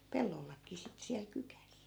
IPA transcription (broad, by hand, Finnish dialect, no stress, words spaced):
pelːolːɑkˑiː sitːĕ siæl kykæs